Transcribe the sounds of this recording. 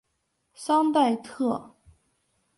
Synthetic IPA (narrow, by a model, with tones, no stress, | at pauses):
sɑ˥ŋt̪̬a˥˧ɪt̪ʰɤ˥˩